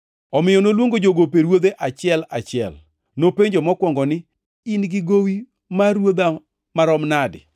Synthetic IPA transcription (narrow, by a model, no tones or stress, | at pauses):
ɔmɪjɔnolwoŋɡod͡ʒoɡopeɾwod̪eʔat͡ʃɪɛlat͡ʃɪɛ̰l | nopeɲd͡ʒomɔkwɔŋɡɔnɪ | inɡɪɡowi | maɾwod̪a | maɾɔmnadɪ̰